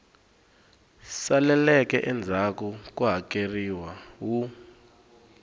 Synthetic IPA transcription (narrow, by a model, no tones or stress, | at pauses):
salɛlɛk̬ɛʔɛnd͡zʱak̬uk̬ʼuɦak̬ʼeriwawu